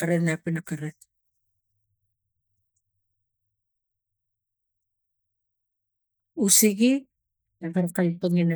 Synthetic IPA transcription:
aɾennapinakaɾet | usiɡi | ekaɾkajtoŋina

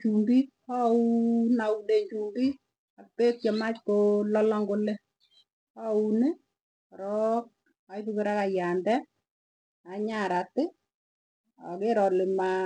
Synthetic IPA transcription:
t͡ʃumbi | aunaudeɲt͡ʃumbi | apek̚t͡ʃɔmat͡ʃkolɔlɔŋɡole | aunɪ | ɾɔk̚ | ajtukɪɾakajandɛ | aɲaɾatɪ | a̰keɾɔlɪma

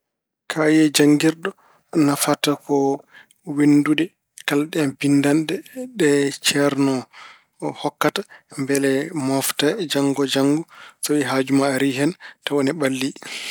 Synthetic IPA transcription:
kʰajɛd͡ʒaŋɡiɾɗɔ | nafatakɔ | wendudɛ | kalɗɛnbindandɛɗɛt͡ʃɛɾnɔ | hɔkːatambɛlɛmɔftad͡ʒaŋɡɔd͡ʒaŋɡɔsawiɦad͡ʒumaɾiɦɛntawɔnɛbalːi

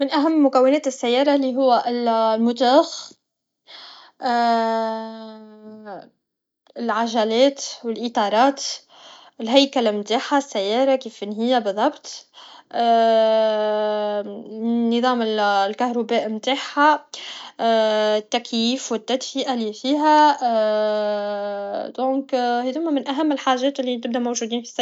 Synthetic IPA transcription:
mɪnʔæɦamːʊkæwːɪnɛːt̪ɪsːæjːɑːɾˤɑliɦʊwːaʔɪllmʊt̪æːx | ʔ | ɪlʕaʒælɛːt̪wɪlʔɪt̪ˤɑːɾˤɑːt̪ | ɪlɦæjkalamt̪aːħasːæjːɑːɾˤɑkiːfʔɪnɦɪjːabɨðˤːɑbt̪ˤː | nːɨðˤɑːmɪlkahɾubæːʔmt̪aːħa | t̪ːækjiːfwɪt̪ːæd̪fiʔalifiːɦæ | d̪̥õːkhæðʊmːæmɪnʔæɦæmːɪlħaːʒɛːt̪ɪlːit̪ɪb̚d̪æʔmawʒuːd̪iːnfi̥s

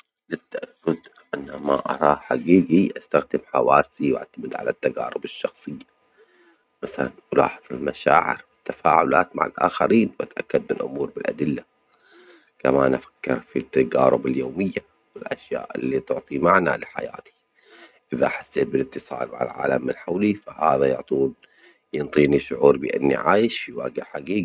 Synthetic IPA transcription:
lat̪ːaʔakːʊd̪ | ʔanːamaʔɑ̰ɾˤɑːħaɡiːɡiʔast̪axd̪ɪmħawaːsiwɪ̰ʕt̪amɪd̪ʕa̰lat̪ːaɡaːɾˤʊbɪʃːɑxsˤɨjːa | maθalanʔʊlɑ̰ːħɨðˤɪlmaʃaːʕɪ̰ɾwɪt̪ːafaːʕʊlaːt̪ma̰ʕa̰lʔa̰ːxaɾiːnwʔat̪ʔakːad̪̚mɪlʔʊ̰muːɾbɪlʔa̰d̪ɪlːa | kamanʔafḁkːɪɾfit̪ːaɡaːɾˤʊbɪljoːmɪjːa | wɪlʔaʃja̰ːʔɪlːit̪ʊʕt̪ˤimaʕnalaħa̰ja̰ːt̪i̥ | ʔɪðaħasːeːt̪bɪlɪt̪ːɨsˤɑ̰ːlʕa̰lʕa̰ːlamːɪnħawlifahaːðajʊʕt̪ˤuːn | jɪnt̪ˤiːniʃʊʕuːɾbɪʔa̰nːḭʕaːjɪʃfiwaːɡaħaɡiːɡ

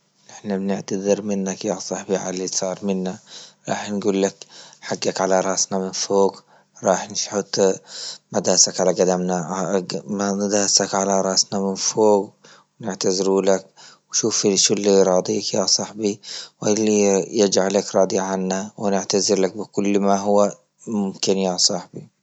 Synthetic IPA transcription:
ʔɪħnabnɪʕt̪aðɪɾmɪnːakjasˤɑħbiʕa̰lːisˤɑːɾˤmɪnːaɾˤɑ̰ːħnɡuːlːakħaɡːakʕalaɾˤɑʔsnamɪnfoːɡ | ɾˤɑːħnʃħʊt̪ˤː | mad̪aːsakʕalaɡad̪amna | mad̪aːsakʕalaɾˤɑʔsnamɪnfoːɡ | wnɪʕt̪azɾuːlakwʃuːfʃulːiɾˤɑːd̪ˤiːkjasˤɑħbiwʔɪlːijɪd͡ʒʕalakɾˤɑːd̪ˤiʕanːawɪnɪʕt̪azɪɾlak̚bɪkʊlːmaɦʊwa | mʊmkɪnjasˤɑħbi

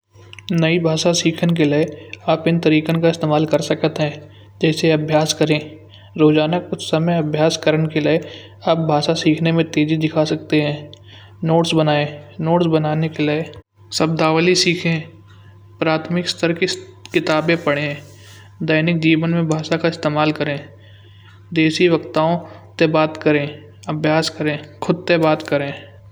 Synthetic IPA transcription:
nɐibʱaːʃasiːkʰənk̬eleeaːpɪnt̪əɾiːkə̃kaɪst̪eːmaːlkəɾsəkət̪ɦɛ̃ː | d͡ʒɛːseɐbʱjaːskəɾẽː | ɾoːd͡ʒaːnaksəməjɐbʱjaːskəɾənkelee | aːp̚bʱaːʃasiːkʰnemẽt̪eːd͡ʒid̪ɪkʰasɐk̚t̪eɦɛ̃ː | noːʈsbənaːenoːʈsbɐnaːnekelee | sɐb̚d̪aːʋlisiːkʰẽː | pɾaːt̪ʰmɪkst̪ʰəɾkekɪt̪aːbẽpɐɽẽɦ | d̪əːnɪk̚d͡ʒiːʋənmẽbʱaːʃakaɪst̪eːmaːlkəɾẽː | d̪eːʃiʋɐkt̪aːõt̪ebaːt̪kəɾẽː | ɐbʱjaːskəɾẽːkʰʊd̪̚t̪ebaːt̪kəɾẽː

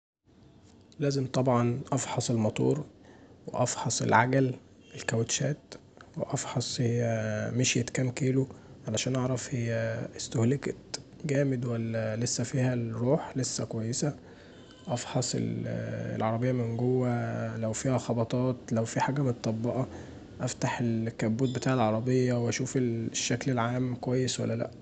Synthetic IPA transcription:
læːzemt̪ˤɑbʕɑnʔɑfħɑsˤelmɑt̪ˤṵːɾwḛʔɑfħɑsˤḛlʕaɡæl | elkæwet̪ʃæːt̪ | wḛʔɑfħɑsˤejæmeʃjet̪kæːmkeːloʕalæʃæːnʔɑʕɾˤɑfhejːæest̪ohleket̪ɡæːmed̪wælːælesːæfiːhæɾuːħlesːækowæjːesæ | ʔɑfħɑsˤḛlḛlʕɑɾˤɑbejːɑæmenɡowːælæwfiːhæxɑbɑt̪ˤɑːt̪læwfiħaːɡæmot̪t̪ˤːɑbːɑʔɑ | ʔæft̪aħelkːæbːuːt̪̚bet̪aːʕelʕɑɾˤɑbejːɑweʔæʃuːfelʃːæklelʕaːmkowæjːeswæ̰lːælæ̰ʔ

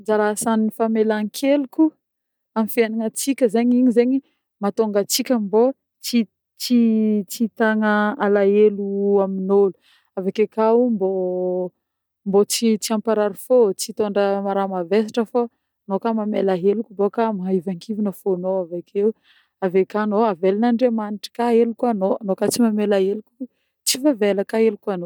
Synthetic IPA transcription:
d͡zaɾasanifamelaŋkʰelukʲu | amifiananət͡sikʲəzeɲiɲizeɲi | mat̪oŋɡat͡sikʲambo | t͡si | t͡sit͡sit̪aŋəalaeluaminolu̥ | avekekaumbo | mbot͡sit͡siampaɾaɾifot͡sit̪oɳɖ͡ʐəmaɾamavesḁʈ͡ʂəfa | nokamamelaɦelukʲumbokamaɦaivaŋkʰivinəfonoavakʰeu | avekanoavelinaɳɖ͡ʐemaniʈ͡ʂə̥kaɦelukuanoanokat͡simamelaɦelukʲu | t͡sivaveləkaelukuano

